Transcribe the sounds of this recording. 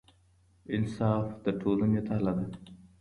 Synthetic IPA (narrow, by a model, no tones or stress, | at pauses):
ɪnsɑːfd̪əʈʰolanet̪alad̪a